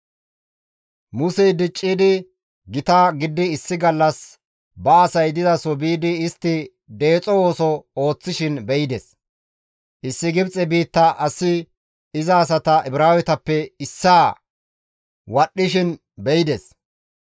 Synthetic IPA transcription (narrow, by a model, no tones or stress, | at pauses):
mʊsɛjd̪ɪt͡ʃʼːiːd̪ɪ | ɡɪt̪aːɡɪd̪ːɪːsːɪɡɐlːɐs | bɐɐsɐjd̪ɪzɐsɔbiːd̪ɪːst̪ːɪ | d̪e̞ːt͡sʼɔwo̞ːsɔo̞ːt͡sːɪʃɪnbɛjɪd̪ɛs | ʔɪsːɪɡɪbt͡sʼɛbiːt̪ːɐʔɐsːɪ | ɪzɐːs̬ɐt̪ɐʔɛbɪɾaːwɛt̪ɐpːɛɪsːaː | wɐɗːɪʃ̬ɪn | bɛjɪd̪ɛs